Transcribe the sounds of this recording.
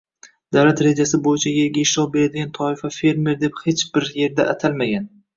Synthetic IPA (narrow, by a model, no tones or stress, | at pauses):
d̪̥awlat̪ɾe̞d͡ʒasɪbojɪt͡ʃʰajʲeɡʲaɪʃlɒbe̞ɾad̪ɪɡʲant̪ʰɒɪfafe̞ɾme̞ɾd̪e̞phe̞t͡ʃbɪɾje̞ɾd̪aʔːt̪ʰalmaɡʲan